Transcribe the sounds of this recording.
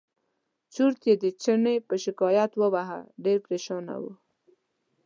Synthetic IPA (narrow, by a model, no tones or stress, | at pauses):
t͡ʃuɾt̪jed̪ət͡ʃənepəʃɪkɑjat̪wəwaɦa̰ɖeɾpɾeʃɑna̰wṵ